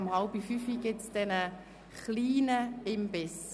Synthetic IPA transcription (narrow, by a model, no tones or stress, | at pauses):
mhalbifyːfiɡ̥ɪtsd̥ɛnə | χliːnəɪmbɪs